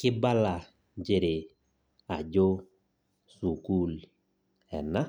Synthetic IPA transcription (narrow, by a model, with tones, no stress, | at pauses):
kɪ˦ba˦la˨ | d͡ʒe˨ɾɪ˨ | a̰˨d͡ʒo˦ | su˨ku˦l | ɛ̰˨na˦